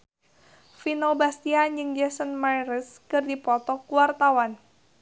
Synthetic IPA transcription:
finobast̪iand͡ʒɨŋd͡ʒɛsənmajɾəskɨrdipɔt̪ɔkuwart̪awan

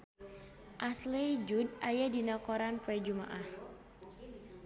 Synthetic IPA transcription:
ʔaslɛid͡ʒudʔajadinakɔɾanpoɛd͡ʒuma̰ʔah

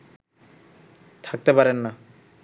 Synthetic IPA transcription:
t̪ʰak̚t̪epaɾenːa

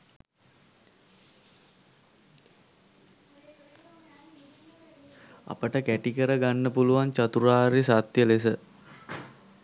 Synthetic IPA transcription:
a̰pəʈəkæʈikəɾəɡanːəpuluʋaɲt͡ʃat̪uɾaːɾisat̪jəlesə

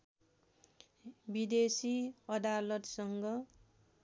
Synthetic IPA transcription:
bid̪esiʌd̪alʌt̪sʌŋɡʌ

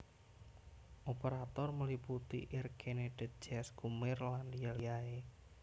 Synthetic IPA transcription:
ʔopəɾat̪ɔrməliput̪ḭʔɪrkʰened̥ɪ̤t̪̚d͡ʒɛsɡumɪrlandijalijae

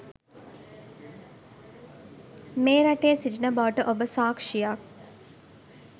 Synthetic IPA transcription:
meːɾaʈeːsid͡ʒinəbaʋəʈəʔobəsaːkʂijak̚

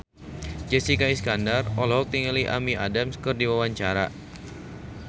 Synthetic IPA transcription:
d͡ʒɛsikaiskandarɔlɔɦɔk̚t̪iŋəliʔa̰miʔa̰damskɨrdiwawaɲt͡ʃaɾa̰

